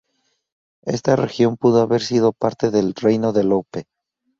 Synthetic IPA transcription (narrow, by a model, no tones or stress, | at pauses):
e̞̰st̪are̞xjo̞mpuðoaβe̞ɾsið̞o̞paɾt̪e̞ðe̞lre̞jno̞ðe̞lope̞